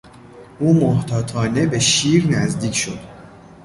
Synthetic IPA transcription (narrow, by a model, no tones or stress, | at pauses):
ʔuːmoht̪ʰɒːt̪ʰɒːne̞be̞ʃiːɾnæzd̪iːcʰʃo̞d̪̥